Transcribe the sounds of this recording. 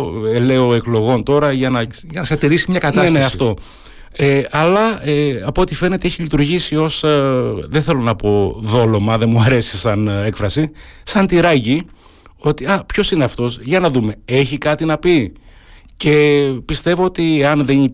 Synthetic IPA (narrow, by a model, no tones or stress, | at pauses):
ele̞o̞e̞klo̞ɣo̞nt̪o̞ɾɐʝɐnɐʝɐnɐsɐt̪iɾisimɲɐkɐt̪nɐesneɐsft̪o̞ | eɐlɐeɐpot̪ife̞ne̞t̪eeçilit̪uɾʝisio̞sðeθe̞lo̞nɐpo̞ðo̞lo̞mɐðe̞muɐɾe̞si̥sɐne̞kfɾɐsisɐnt̪iɾɐʝi | o̞t̪iɐpço̞sineɐft̪o̞sʝɐnɐðume̞e̞çikɐt̪inɐpi | ce̞pist̪e̞vo̞ot̪ieɐnðen